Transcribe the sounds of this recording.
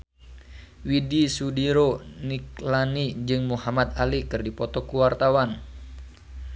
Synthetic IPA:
widisudiɾoniklanid͡ʒɨŋmuhamat̪alikɨrdipɔt̪ɔkuwart̪awan

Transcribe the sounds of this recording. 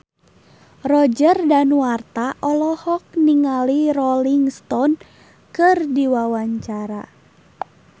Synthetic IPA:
rɔd͡ʒərdanwart̪aʔɔlɔhɔk̚niŋalirɔliŋst̪ɔn | kɨrdiwawaɲt͡ʃaɾa

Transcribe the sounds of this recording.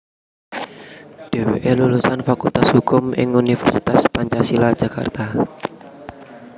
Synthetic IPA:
d̥eweʔelulusanfakult̪ashukʊmɪ̰ŋunifɛrsit̪aspaɲt͡ʃasilḁd͡ʒ̥aka̰rt̪a

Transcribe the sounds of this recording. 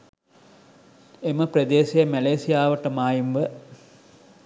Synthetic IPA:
eməpɾɐd̪eːsijɐmæleːsijaːʋɐʈəmaːjimʋə

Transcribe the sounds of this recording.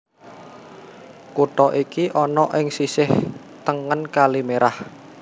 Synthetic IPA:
kuʈɔʔikiʔɔnɔʔɪŋsisɪh | t̪əŋənkalimeɾʔah

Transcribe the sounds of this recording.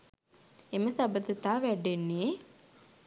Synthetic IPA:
eməsabəd̪ət̪aːʋæɖenːe

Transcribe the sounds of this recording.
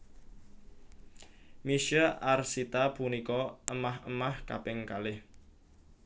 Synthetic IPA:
miʃəʔarsit̪apunikɔʔəmaɦəmahka̰pɪŋkalɪh

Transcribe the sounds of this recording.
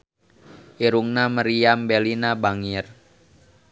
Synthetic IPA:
ʔiɾuŋnaməɾiambelinabaŋir

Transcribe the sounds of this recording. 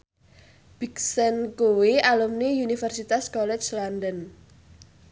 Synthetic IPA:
b̥iksɛnkuwialumniunifərsit̪askɔlɛt͡ʃlandən

